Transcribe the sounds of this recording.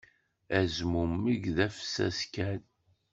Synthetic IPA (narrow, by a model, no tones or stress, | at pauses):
æzmumːiɡðæfsæ̰skæn